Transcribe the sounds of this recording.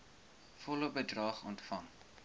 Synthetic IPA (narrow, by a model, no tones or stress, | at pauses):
fɔlobədrɑːχɔntfɐŋ